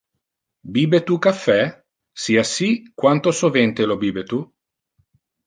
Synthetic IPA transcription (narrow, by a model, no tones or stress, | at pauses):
biːbet̪ukafːɛ | siːasikwant̪osovɛnt̪elobiːbet̪u